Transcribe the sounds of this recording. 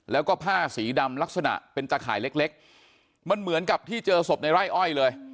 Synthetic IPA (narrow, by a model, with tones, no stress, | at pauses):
lɛː˦˥wkɔː˥˩pʰaː˥˩siː˩˦da˧mla˦˥k̚sa˧na̰˨˩ʔpe˧nt͡ɕaː˧kʰaː˨˩˦jle˦˥k̚le˦˥k̚ | ma˧nmɯ˩˦ənka˨˩p̚t̪ʰiː˥˩t͡ɕɤː˧so˨˩p̚na˧jɾaː˥˩jʔɔ˥˩jlɤː˧j